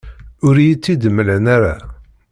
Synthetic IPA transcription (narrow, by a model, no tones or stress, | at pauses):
ʊɾjit͡sːid̪əmːələnaɾa